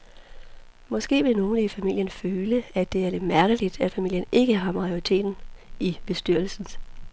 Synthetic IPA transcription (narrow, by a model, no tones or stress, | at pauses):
mɒ̽sɡ̥e̝̰ːʋe̝no̝ːnəifæmil̰jənføːləæd̥e̝æɐle̝d̥mæɐɡ̥əlid̥æ̥fæmil̰jəne̝ɡ̥əɦɑ̈mɑ̈joʁit͡sʰe̝̰ːd̥n̩ib̥e̝sd̥yɐl̩sn̩s